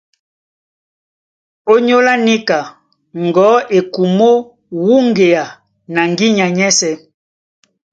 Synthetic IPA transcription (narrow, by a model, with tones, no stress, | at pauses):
o˦ɲo˦la˦ni˦ka˨ | ŋɡɔ˨˦ʔe˨ku˨mo˦ | wu˦ŋɡe˨a˨ | na˨ŋɡi˦ɲa˨ɲɛ˦sɛ˦